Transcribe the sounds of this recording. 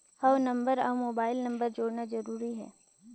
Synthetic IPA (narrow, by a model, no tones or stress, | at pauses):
hɐʋnɐ̃mbəɾa̰ʋmoːbaːɪlnɐ̃mbəɾd͡ʒoːɽnad͡ʒɐɾuːɾiɦɛ̰ː